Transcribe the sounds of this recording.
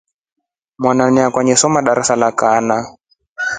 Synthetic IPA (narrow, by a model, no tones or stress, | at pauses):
mwananiakwaɲɛsɔmaɗaɾasalakana